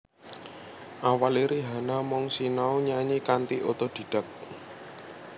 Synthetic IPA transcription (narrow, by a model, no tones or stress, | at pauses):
ʔawaliɾiɦanamɔŋsinaoɲaɲikant̪iʔot̪od̪̥i̤ɖ̥ə̤k̚